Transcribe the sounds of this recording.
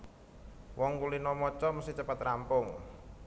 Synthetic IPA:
wɔŋkulinɔmɔt͡ʃɔməsiht͡ʃəpat̪rampʊŋ

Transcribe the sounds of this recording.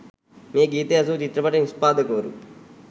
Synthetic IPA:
meːɡiːt̪eɐs̬ut͡ʃit̪ɾɐpɐʈɐnispaːd̪ʱɐkoʋɐɾṵ

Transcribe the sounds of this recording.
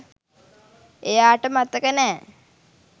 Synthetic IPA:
ejaːʈəmat̪əkənɛː

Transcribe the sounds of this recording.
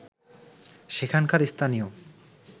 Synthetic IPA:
ʃekʰankaɾist̪ʰanijo

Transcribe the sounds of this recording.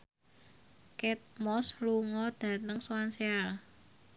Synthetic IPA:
kɛt̪̚mɔsluŋɔd̥ä̤t̪əŋsoanseal

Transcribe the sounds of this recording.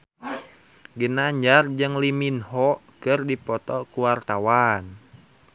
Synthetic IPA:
ɡənaɲd͡ʒard͡ʒɨŋliminɦɔʔkɨrdipɔt̪ɔkuwart̪awan

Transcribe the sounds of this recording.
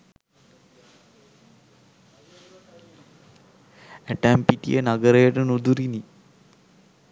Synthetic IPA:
æʈæmpiʈḭjənaɡəɾəjəʈənud̪uɾini

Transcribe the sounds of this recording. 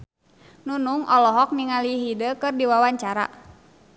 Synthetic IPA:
nunuŋʔɔlɔɦɔk̚niŋaliɦidəkɨrdiwawaɲt͡ʃaɾa̰

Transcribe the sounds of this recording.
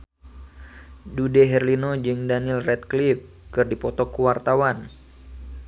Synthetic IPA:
dudɛɦɛrlinod͡ʒɨŋdanilrɛt̪̚klif | kɨrdipɔt̪ɔkuwart̪awan

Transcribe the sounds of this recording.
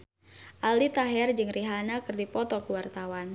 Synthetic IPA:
ʔalit̪aɦɛrd͡ʒɨŋriɦanakɨrdipɔt̪ɔkəwart̪awan

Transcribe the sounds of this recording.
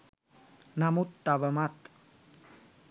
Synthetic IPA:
namut̪ːaʋəmat̪

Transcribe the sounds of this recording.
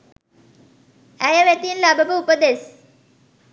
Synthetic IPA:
æjəʋæt̪inlæbəbəupəd̪es

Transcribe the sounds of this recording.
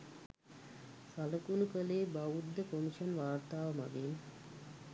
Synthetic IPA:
saləkunukəleːbaʋud̪ːəkomiʃɐnʋaːrt̪aːʋəma̰ɡen

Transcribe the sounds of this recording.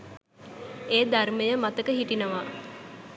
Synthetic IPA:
eːd̪arməjəmat̪əkəɦiʈinəʋa

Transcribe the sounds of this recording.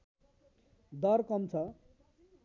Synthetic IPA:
d̪ʌrkʌmt͡sʰʌ

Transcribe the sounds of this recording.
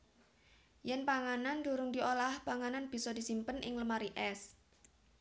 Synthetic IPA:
jɛnpaŋanand̪uɾʊŋd̪iolahpaŋananb̥i̤sɔd̥̪i̤simpənʔɪ̰ŋləmaɾiʔɛs

